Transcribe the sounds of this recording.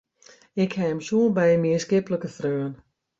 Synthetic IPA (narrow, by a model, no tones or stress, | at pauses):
ɪkhɛəmsuənbɛjmiəskɪpləkəθrøːən